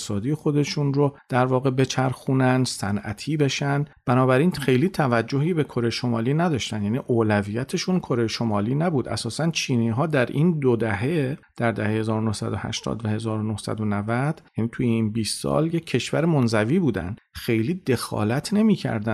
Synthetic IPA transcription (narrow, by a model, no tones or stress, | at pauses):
sɒːd̪ijexo̞d̪e̞ʃunrod̪̥æɾvɒːɣe̞be̞t͡ʃʰæɾxunænd̪sænæt̪ʰiːbeʃænd̪b̥ænɒːbæɾiːnxe̞jliːt̪ʰævæd͡ʒːo̞ɦiːbe̞kʰo̞ɾe̞jeʃo̞mɒːliːnæd̪ɒːʃt̪ændjæːniːʔoːlæviːjæt̪ʰe̞ʃunkʰo̞ɾe̞jeʃo̞mɒːliːnæbuːd̪ʔæ̰sɒːsænt͡ʃʰiːniːɦɒːd̪æɾʔind̪od̪æɦe̞d̪̥æɾd̪æhehe̞zɒːɾonohsæ̰d̪ohæ̰ʃt̪ʰɒ̰ːd̪væhe̞zɒːɾonohsæ̰d̪onævæd̪̥jæːniːt̪ʰuːjeinbiːst̪sɒ̰ːlje̞cʰːe̞ʃvæ̰ɾemonzæviːbuːd̪æ̰nd̪xe̞jliːd̪e̞xɒ̰ːlæt̪ʰne̞miːcʰæ̰ɾd̪æ